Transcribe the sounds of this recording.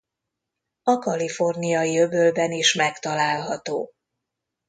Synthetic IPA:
ɒkɒlifo̞rnijɒiøbølbɛniʃmɛkt̪ɒlaːlɦɒt̪oː

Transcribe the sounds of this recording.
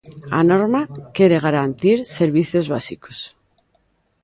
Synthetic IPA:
a̰no̞ɾmakje̞ɾe̞ɣ̞aɾant̪iɾse̞ɾβiθjo̞zβasikos

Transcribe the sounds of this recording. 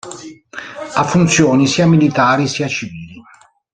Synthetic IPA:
afːunt̪sjoːnisiːamilit̪aːɾisiːat͡ʃiviːli

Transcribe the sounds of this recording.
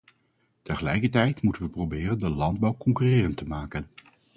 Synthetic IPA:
təχəlɛjkəɹtɛjtmutənʋəprobɪːrəndəlɑnd̚bɑwkɔŋkyrɪːrəntəmaːkən

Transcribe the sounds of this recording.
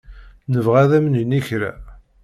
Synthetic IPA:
nəvʁæðæmənəniçɾæ̰

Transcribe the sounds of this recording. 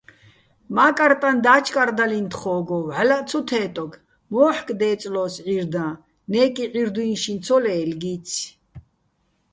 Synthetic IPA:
maːkʼaɾt̪ʼand̪aːt͡ʃʰkʼaɾd̪alint̪χɔːɡɔvʕalat͡sʰut̪ʰɛːt̪ʼɔɡ | mɔːħkʼd̪ɛːt͡sʼlɔːsʕiɾd̪ãː | nɛːkʼiʕiɾd̪uinʃint͡sʰɔlɛːlɡiːt͡sʰ

